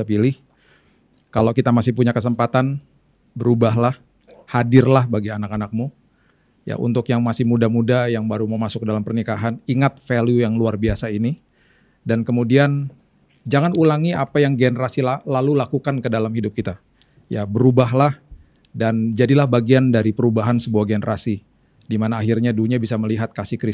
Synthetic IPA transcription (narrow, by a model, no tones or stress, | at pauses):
pilɪh | kalokit̪amasɪhpuɲakəs̬əmpat̪an | bəɾubaɦlah | hadɪrlahbaɡianakanak̚mu | ja̰ʔṵnt̪ʊkjaŋmasɪhmudamudajaŋbaɾuməmasʊk̚dalampərnikaɦaniŋat̪̚felujaŋluarbiasaini | dankəmudian | d͡ʒaŋanulaŋiapajaŋɡenəɾasilalalulakukankədalamhidʊp̚kit̪a | jabəɾubaɦlah | dand͡ʒadilahbaɡiandaɾipəɾubaɦansəbuaɡenəɾʔasi | dimanaːɦirɲaduɲabisaməliɦat̪̚kasɪhkɾɪ